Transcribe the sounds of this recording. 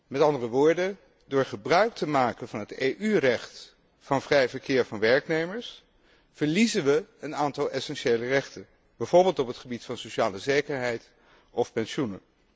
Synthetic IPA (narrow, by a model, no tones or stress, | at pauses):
mɛtɑndərəʋʊːɹdə | dʊːɹχəbrœɥk̚təmaːkənvɑnɦətejʔyrɛχt | fɑnvrɛjvəɹkɪːɹvɑnʋɛɹknejməɹs | v̥əɹlizənʋəənaːntɑlˠɛsɛnʃejlərɛχtən | b̥ɛjv̥ʊɹbɪːlˠtɔpətχəbitfɑnsoʃaːləzejkəɹɦɛjt | ɔfpɛnʃunə